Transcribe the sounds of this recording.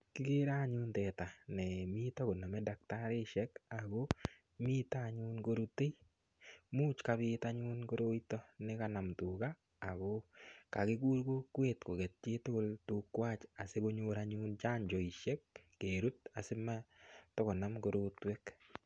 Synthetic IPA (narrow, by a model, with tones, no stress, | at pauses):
kɪ˦ɡe˦ɾa˦˨ɲu˦ntɛ˨ta˨nɛ˨mi˦tɔ˦ko˨na˨mɛ˦da˨k̚ta˦ɾɪ˦ʃɛ˦ka˨ɡo˦ | mi˦ta˦˨ɲu˦nɡo˦ɾu˦te˦j | mu˦t͡ʃka˦bɪ˦taɲu˦nɡo˦ɾo˦i˦tɔ˦nɪ˦ka˦na˨mtu˨kaː˦˨ | ɡo˦ka˨kɪ˦ɡu˦ɾɡo˦kwe˨tko˨ɡɛ˨t̚t͡ʃe˦to˦ko˦ltu˦kːwa˦t͡ʃa˨se˦bo˦ɲo˦ɾaɲu˦nt͡ʃa˦nd͡ʒɔ˨i˨ʃɛ˦k̚ː | e˨ɾu˦t̚a˨sɪ˦ma˦tɔ˦kɔ˨na˦mɡo˦ɾo˦twɛ˦k